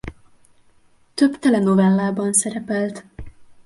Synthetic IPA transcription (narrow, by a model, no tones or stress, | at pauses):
t̪øbt̪ɛlɛno̞vɛlːaːbɒnsɛɾɛpɛlt̪